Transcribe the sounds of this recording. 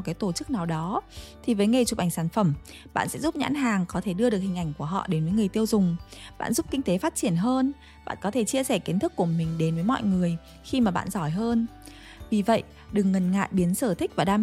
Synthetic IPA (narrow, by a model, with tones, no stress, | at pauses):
kaː˨˦jt̪o˧˩t͡ɕɨ˦˥k̚naː˨˩wɗɔ˨˦t̪ʰi˨˩vəː˨˦jŋe˨˩jt͡ɕu˨˩p̚ʔa˧˩ŋ̟saː˧˩nfə˧˩m | ɓa̰ː˧˨nsɛ̰˧˥zu˦˥p̚ɲa̰ː˧˥nɦaː˨˩ŋkɔ˨˦t̪ʰe˧˩ɗɨ˧ə˧ɨ˨˩ək̚hi˨˩ŋ̟ʔa˧˩jŋ̟ku˧˩əɦɔ̰˧˨ɗe˨˦nvə˨˦jŋɨ˨˩əjt̪i˧əwzʊ˨˩ŋ͡mɓa̰ː˧˨nzu˦˥p̚kï˧ŋ̟t̪e˨˦faː˦˥t̚t͡ɕi˧˩ənɦəː˧n | ɓa̰ː˧˨nkɔ˨˦t̪ʰe˧˩t͡ɕi˧əsɛ˧˩ki˨˦ənt̪ʰɨ˦˥kːu˧˩əmï˨˩ŋ̟ɗe˨˦nvəː˨˦jmɔ̰˧˨jŋɨ˨˩əj | xi˧maː˨˩ɓa̰ː˧˨nzɔ˧˩jɦəː˧n | vi˨˩və̰˧˨jʔ | ɗɨ˨˩ŋːə˨˩nŋa̰ː˧˨jɓi˨˦ənsəː˧˩t̪ʰï˦˥k̚vaː˨˩ɗaː˧